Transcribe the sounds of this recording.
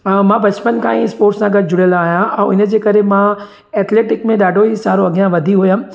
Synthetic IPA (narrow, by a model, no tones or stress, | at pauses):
mãːbɐt͡ɕpənkãːĩɪspoːɾʈsãɡʱɐd̪d͡ʑʊɽjəlaaːɦijãʔɛ̃ːʊnə̆d͡ʑeːkɐɾemã | ɛːt̪leːʈɪkmẽɗaːɖʱoɦisaːɾoɐɡijãʋɐd̪ʱiɦʊjã